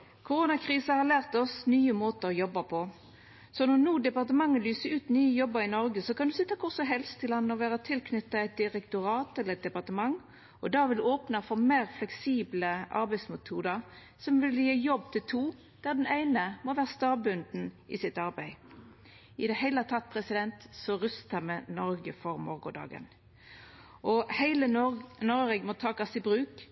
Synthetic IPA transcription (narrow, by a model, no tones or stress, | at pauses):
kʰʊɾuːnɑkʰʁiːsɑhɑʁlæːʁt̪ɔsnyːəmoːt̪əʁɔjɔbːɑpʰɔ | sɔnɔʁnuːd̪ɛpɑʁt̪əmɑŋːəlyːsəɾʉːt̪nyːəjɔbːəɾɪnɔɾɡəsɔkɑnd̪ʉsɪt̪ːɑkʰʊʁsɔmɦɛlst̪ʰɪlɑnːəɔʋæːʁət̪ʰɪlkʰnʏt̪ːɑɛɪt̪̚d̪ɪʁɛkt̪ʊʁɑːt̪ɛlːəɛt̪̚d̪ɛpɑʁt̪əmɑŋ | ɔd̪ɑːʋɪloːpnɑfɔʁmeːʁflɛksiːbləʔɑ̰ɾbæɪsmʊt̪ʰuːd̪əʁ | sɔmʋɪljeːjɔbːt̪ʰɪlt̪ʰuː | d̪̥æd̪næɪnəmɔʋæːʁəst̪ɑːbʉnd̪n̩ʔɪsɪt̪ɑɾbæɪ | ɪd̪ɛhæɪlət̪ʰɑt̪̚ːpʰʁɛsɪd̪ɛnt̪sɔʁʉst̪əmɛnɔɾɡəfɔɾmɔʁɡʊd̪ɑ̰ːɡə̰n | ɔhæɪlənɔʁɛɡmɔt̪ʰɑːkɑsɪbɾʉːk